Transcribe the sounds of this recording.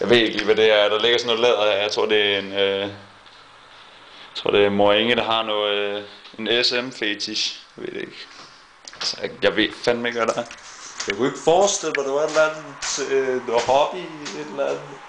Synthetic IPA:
jɑɪʋe̝ð̰ˠe̝ɡ̥əliːʋæd̥e̝æɐd̥ɑ̈le̝ɡ̥ɐsnoːlɛð̰ˠɐeɐjäɪt͡sʰʁo̝̰ɐ̰d̥e̝æe̝nø | t͡sʰʁo̝̰d̥e̝æmoɐeŋəd̥ɑ̈ɦɑ̈nɔːð̩ˠe̝nesemfet͡sʰisjɑɪʋe̝̰d̥eeɡ̥ | ælsjjɑ̈ʋe̝̥fænmɑeɡ̥ʋæd̥ɑɐjɑkue̝ɡ̥əfɒːsd̥el̰mad̥eʋɑe̝d̥lænð̩t͡sʰenohɒb̥ie̝d̥lænð̩ˠ

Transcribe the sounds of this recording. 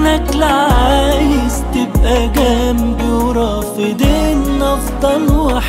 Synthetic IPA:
næklaʕaʕʕajɪzt̪ɪbʔæɡæmbɪwɾˤɑːfɪd̪iːnʔɑfd̪ˤɑlwɪħ

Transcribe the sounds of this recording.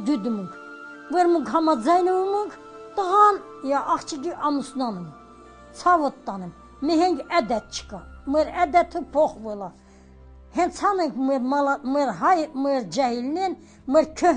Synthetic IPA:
d̪ud̪umuŋkʰvɛɾmuŋkʰɦɑmad͡zɑjnɛvumuŋkʰ | t̪əʁɑnjaʔːχt͡ʃʰiɡiʔɑmusnanɛm | t͡sʰɑvɔt̪ːɑnɛm | mɛɦɛŋɡæd̪ɛt̪̚t͡ʃʰkamɛɾæd̪ɛt̪ʰəpʰɔχvɛla | hɛnt͡sʰhɑnɛŋkʰmɛmlmɛɾɦajmɛɾd͡ʒɛhilnɛn | mɛɾkʰɔ

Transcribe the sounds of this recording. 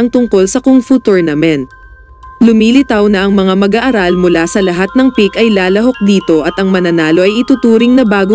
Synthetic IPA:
ɐŋt̪ʊŋko̞lsɐkʊŋfut̪oɹnɐmɛnt̪̚ | lʊmiːlɪt̪ɐwnɐʔɐŋmɐŋamɐɡaʔɐɾalmʊlasɐlɐɦat̪̚nɐŋpikʔɐjlaːlɐɦo̞k̚d̪iːt̪o̞ʔɐt̪ʔɐŋmɐnɐnaːlo̞ʔɐjɪt̪uːt̪uːɾɪŋnɐbaːɡo

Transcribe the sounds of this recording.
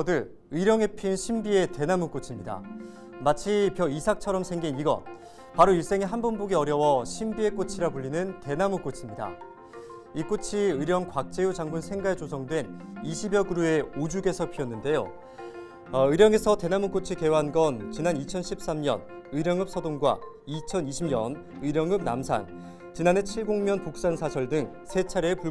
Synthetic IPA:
ʌdɯɭ | ɯɾjʌŋe̞pʰinɕʰimbie̞te̞namuk͈ot͡ɕʰimɲida̰ | mat͡ɕʰipjʌisʰak̚t͡ɕʰʌɾʌmsʰe̞ŋɡiniɡʌ̰ | paɾoiɭs͈eŋiɦanbonboɡiʌɾjʌwʌɕʰimbie̞k͈ot͡ɕʰiɾapuʎːinɯnte̞namuk͈ot͡ɕʰimɲida̰ | ik͈ot͡ɕʰiɯɾjʌŋkwak̚t͡ɕ͈e̞ud͡ʑaŋbunsʰe̞ŋɡaet͡ɕosʰʌŋdwe̞niɕʰibjʌɡɯɾue̞od͡ʑuɡe̞sʰʌpʰiʌnːɯnde̞jo̰ | ɯɾjʌŋe̞sʰʌte̞namuk͈ot͡ɕʰike̞waɦanɡʌnt͡ɕinanit͡ɕʰʌnɕʰip̚s͈amɲʌ̰n | ɯɾjʌŋɯp̚s͈ʰʌdoŋɡwa̰ | it͡ɕʰʌniɕʰimɲʌn | ɯɾjʌŋɯm̚na̰msʰa̰n | t͡ɕinane̞t͡ɕʰiɭɡoŋmjʌnpok̚s͈ansʰasʰʌɭdɯŋ | sʰe̞t͡ɕʰaɾepu

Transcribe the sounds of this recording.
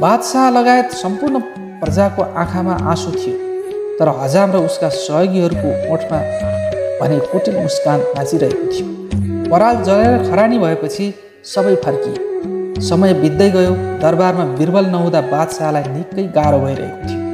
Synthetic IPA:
bad̪saɦlʌɡaet̪sʌmpurnʌ | prʌd͡zakoʔã̰kʰamaʔasot̪ʰijot̪ʌɾʌɦʌd͡zamrʌuskasʌɦjoɡiɦʌɾukooʈʰma | bʱʌnekoʈiluskankãt͡siɾʌɦekot̪ʰijo | pʌɾald͡zʌleɾʌkʰʌɾaɽ̃ibʱʌepʌt͡sʰi | sʌbʌjpʰʌrkisʌmʌjbid̪ːʌjɡʌjod̪ʌrbarmabirbʌlnʌɦũd̪abad̪saɦlajnikːʌjɡaɾobʱʌjɾʌ̰ɦḛkot̪ʰijo

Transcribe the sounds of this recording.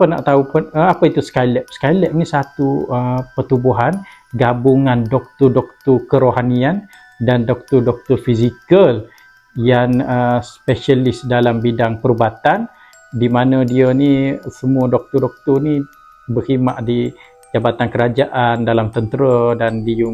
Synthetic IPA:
pəna̰ʔt̪aupʊnəapəit̪uskajlɛʔ̚skajlɛʔ̚nisat̪uəpət̪ubuɦan | ɡabuŋandɔk̚t̪ɔdɔk̚t̪ɔkəɾoɦanian | dandɔk̚t̪ɔrdɔk̚t̪ɔrfizikəl | janəspɛʃalɪsdalambidaŋpəɾubat̪an | dimanə̃diənisəmuədɔk̚t̪ɔrdɔk̚t̪ʊrni | bəhimaʔdi | d͡ʒabat̪ankəɾad͡ʒaʔandalamt̪ənt̪əɾədandiə

